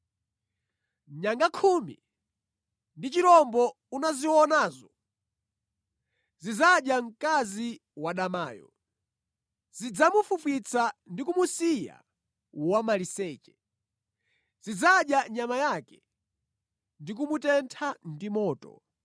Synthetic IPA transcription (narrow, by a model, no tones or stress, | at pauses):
ɲaŋɡakʰumḭ | ndit͡ʃiɾɔmbɔ | unaziwɔnaːzɔ | zid͡zaɗjaŋ̩kazi | waɗamaːjɔ̰ | z̥id͡zamufufwit͡sʰandikumusija̰ | wamalisɛːt͡ʃɛ̥ | zid͡zaɗjaɲamajakɛ | ndik̬umutɛntʰandimɔːtɔ̰